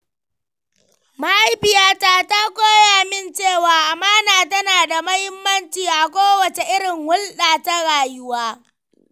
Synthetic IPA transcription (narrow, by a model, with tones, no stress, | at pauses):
ma˦ʔa˦jɸɪ˨jaː˦taː˦ta˦kʷoː˦jaː˨mɪ˦nt͡ʃeː˦˨waː˨ʔa˨maː˦naː˨tɐ˦naː˨da˨mɐ˦hɪ˦mːɐ˦nt͡ʃiː˨ʔa˨kʷoː˦wɐ˨t͡ʃe˨ʔɪ˦ɽɪ˨ŋwʊ˦lɗaː˨ta˦ɽaː˨jʊ˦waː˦